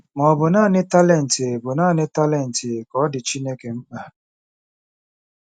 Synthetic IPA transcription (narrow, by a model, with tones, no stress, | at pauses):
mɔ˨bʊ˨naː˦˨nɪ˦ta˦lɛ˦˨n̩˨tɪ˨e˨bʊ˨naː˦˨nɪ˦ta˦lɛ˨n̩˨tɪ˨e˨kɔ˨˦dɪ˨t͡ʃi˦ne˦ke˨m̩˦k͡pa˨